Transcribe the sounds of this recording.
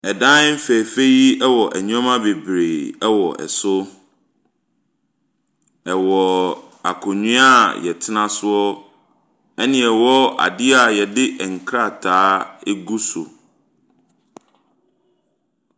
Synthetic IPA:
ɛ˨dã˦m̩˦fɛ˨fe˦ji˦ɛ˦wɔ˨ʔɛ˨ɲũ˦ã˦mã˦be˨bɾeː˨ɛ˦wɔ˨ʔɛ̰˨sʊ˦ | ɛ˨wɔ˨ | a˨kʰʊ̃˨ɲĩ˦a˦jɛ˨tʰɪ˦nã˦sʊ˦ɔ˦ | ɛ˦nɪ̃˨ɛ˨wɔ˦a̰˨dɪ˦a˨jɛ˨dɪ˦ʔɛ˨ŋ̩˨kʰɾa˦˨tʰaː˦ɛ˦ɡu˦sʊ̰˨

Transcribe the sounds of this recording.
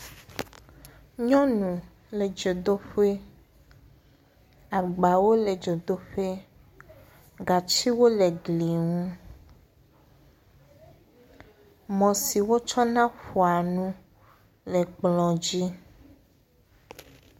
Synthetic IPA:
ɲɔ̃˦nũ˨ | le˨d͡ʒo˨d̪o˦ɸe˦ | a˨ɡ͡ba˨wo˦le˨d͡ʒo˨d̪o˦ɸe˦ | ɡa˨t͡ʃi˦wo˦le˨ɡli˨ŋũ˦ | mɔ̃˨si˨wo˦t͡ʃɔ˦nã˦ɸu˨a˨nũ˦ | le˨k͡plɔ̃˨d͡ʑi˦

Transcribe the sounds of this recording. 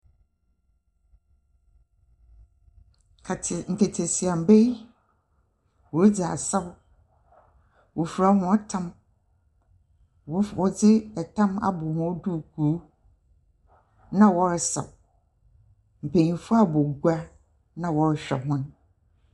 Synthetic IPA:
ŋ̩˨kʰe˨tʰe˨si˨a˨m̩˨be˦j | wɔ˨ɾd͡ʑa̰˨sɛ˦w | wʔɔ˨fu˨ɾa˨˦hʊ̃˦a˦tʰã˦m˨ | wɔ˦˨wɔ˨d͡zɪ˦ɛ˨tʰã˦ma̰˦˨bʊ˨hʊ̃˦ɔ˦du˦˨kʰu˨˦ | nã˦wɔ˦ɾsa̰˨w | m̩˨pʰe˨ɲĩ˨fʊ˦a˦bɔ˨ɡʷa˦ | nã˦wɔ˨ɾɕᶣɛ̰˨ɦʊ̃˦n

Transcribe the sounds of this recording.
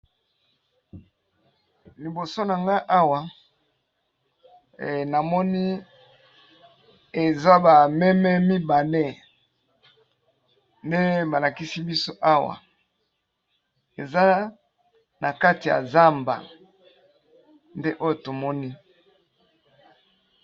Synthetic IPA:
li˨bo˨so˦na˨ŋɡa˦ʔa˦wa˨ | na˨mɔ˦ni˦ | e˨za˦ba˨mɛ˦mɛ˦mi˦ba˨le˦ | nde˦ba˨la˨ki˦si˦bi˦so˦ʔa˦wa̰˨ | e˨za˦ | na˨ka˦ti˨ja̰˨za˦mba̰˨ | nde˦ʔo˦jo˨to˨mɔ˦ni˦

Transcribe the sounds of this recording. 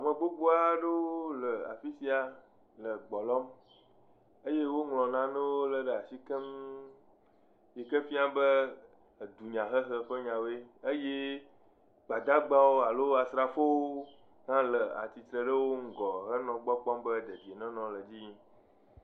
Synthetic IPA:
a˨mə̃˨ɡ͡bo˦ɡ͡bo˦a˦ɖə˦wo˦lə˨a̰˨fi˦si˦a˨ | lə˨ɡ͡bɔ˨lɔ˦m | ə˦je˦wo˦ŋlɔ̃˨nã˨nɛ̃˦wo˦lə˨ɖə˨a˨si˦kə˦m | je˨kə˦fi˦a˦bə˦˨ | d̪u˨ɲã˨ɦə˦xə˦ɸə˦ɲã˨we˦ə˦je˦ | ɡ͡ba˨d̪a˦ɡ͡ba˦wo˦a˨lo˦a˨sɾa˨fo˦wo˦ | ŋã˦lə˨a̰˨t͡ɕi˨t̪ɾə˨ɖə˦wo˦ŋ̩˦ɡɔ˨ɦə˦nɔ̃˨ɡ͡bɔ˦k͡pɔ˦mbə˦d̪ə˨d͡ʑi˨e˨nɛ̃˦nɔ̃˨lə˨d͡ʑi˦ɲ˦

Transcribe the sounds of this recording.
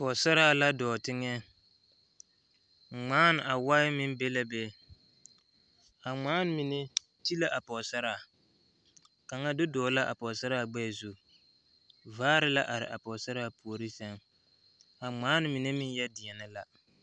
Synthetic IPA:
pɔ˨sa˦ɾaː˦˨la˦dɔː˨tɪ˦ŋɛ˦˨ | ŋ͡maː˦n˨a˨wa˦ɪ˦mɪ˦n˦be˦la˦be˦ | a˨ŋ͡maː˦n˦mi˨ne˦ | ti˦la˦ʔa˨pɔ˨sa˦ɾaː˨ | ka˨ŋa˦dʊ˦dɔː˨˦la˦ʔa̰˨pɔ˨sa˦ɾa˦˨ɡ͡bɛ˦˨zu˦ | vaː˦ɾɪ˦la˦ʔa˨ɾɪ̰˨ʔa˨pɔ˨sa˦ɾa˦˨pu˨o˨ɾi˦sɛ˦ŋ | a˨ŋ͡maː˦n˦mi˨ne˦mɪ˦n˦jɛ˦dɪ˨ɛ˨nɪ˦la˦

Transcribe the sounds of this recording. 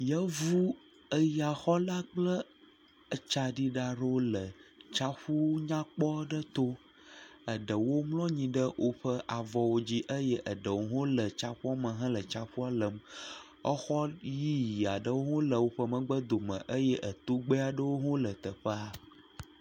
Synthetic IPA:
jə˦vu˦ | ə˦ja˨xɔ˦la˦k͡plə˦ | ə˨t͡ʃa˨ɖi˦ɖa˨ɖo˦lə˨t͡ʃa˦ɸu˦ɲã˦k͡pɔ˦ɖə˦t̪o˦ | ə˨ɖə˨wo˦mlɔ̃˦ɲĩ˨ɖə˦wʔo˦ɸə˦ʔa˨vɔ˨wo˦d͡ʑi˦ʔə˦jɛ˦ʔə˨ɖə˨wo˦ɦõ˦lə˨t͡ʃa˦ɸu˦a˦mə̃˨ɦə̃˦lə˨t͡ʃa˦ɸu˦a˦lə˨m | ə˦xɔ˦ji˦ji˨a˨ɖə˦wo˦ɦõ˦lə˨wo˦ɸə˦mə̃˦ɡ͡bə˦d̪o˨mə̰̃˨ʔə˦jɛ˦ʔə˨t̪o˦ɡ͡bə˦a˨ɖə˦wo˦ɦõ˦lə˨t̪ə˨ɸə˦a˨

